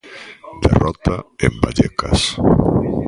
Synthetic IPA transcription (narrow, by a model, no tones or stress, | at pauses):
d̪ḛrʔɔt̪aembaʎeka̰s